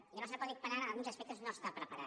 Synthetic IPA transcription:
iləβasnəpɔðipəɾaɾəəlˠɣunzəspɛk̚t̪əznost̪apɾəpəɾa̰

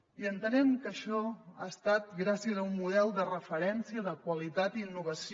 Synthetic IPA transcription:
iənt̪ənɛmkəʃɔaəst̪at̪̚ɡɾasiəzəunmuðɛlˠd̪ərəfəɾɛnsiəðəkwəlit̪at̪iːnːuβ̞əs

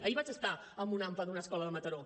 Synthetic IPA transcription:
əiβat͡ʃəst̪a | əmbunaɱfəðunəskɔləðəmət̪əɾo

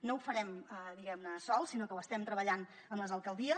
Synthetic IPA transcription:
noufəɾɛməðiɣɛmnəsɔlˠsinokəwəst̪ɛmt̪ɾəβəʎan | əmləzəlˠkəlˠd̪iə

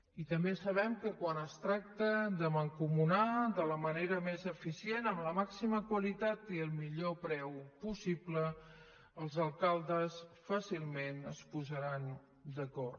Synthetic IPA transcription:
it̪əmbesəβ̞ɛmkəkwanəst̪ɾak̚t̪əd̪əməŋkumunad̪ələməneɾəmezəfisienəmləmaksiməkwəlit̪at̪iəlˠmiʎopɾɛwpusiblə | əlˠzəlˠkalˠd̪əsfasilˠmenəspuzəɾan | d̪əkɔr

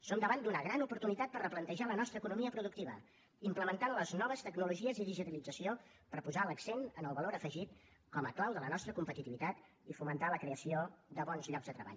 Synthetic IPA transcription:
somd̪əβand̪unəɣ̞ɾanupuɾt̪unit̪at̪̚pərəplənt̪əʒalənɔst̪ɾəːkunumiəpɾuðuk̚t̪iβə̰ | impləmənt̪anləznɔβ̞əst̪əɡnuluʒiəziðiʒit̪əlid͡zəsio | pəɾpuzaləksenənəlˠβəloɾəfəʒit̪ | kɔməklawðələnɔst̪ɾəkumpət̪it̪iβit̪at̪ | ifumənt̪aləkɾeəsioðəβɔnzʎɔɡzd̪ət̪ɾəβa̰ʎ

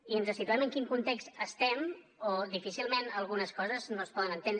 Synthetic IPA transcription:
iənzəsit̪uɛməŋkiŋkunt̪ekst̪əst̪ɛm | oðifisilˠmenəlˠɣunəskɔzəznospɔðənənt̪en

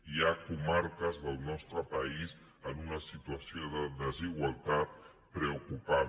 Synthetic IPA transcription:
iakumaɾkəzðəlˠnɔst̪ɾəpəiz | ənunəsit̪uəsioðəðəziɣwalˠt̪at̪̚ | pɾəukupa

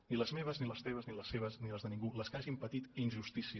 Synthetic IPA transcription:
niləzmeβ̞əzniləst̪eβəzniləsːeβ̞əzniləzðənĩŋɡuləskaʒimpət̪it̪inʲʒust̪isi

